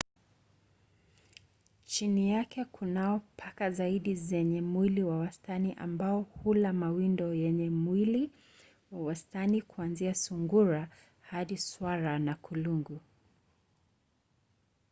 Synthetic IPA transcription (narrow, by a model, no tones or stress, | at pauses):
t͡ʃinijakɛkʰunaɔpʰakazaiɗizɛɲɛmwiliwawastaniʔa̰mbaɔhulamawindɔjɛɲɛmwili | wawastanikuanziasuŋɡuɾa | haɗiswaɾanakuluŋɡu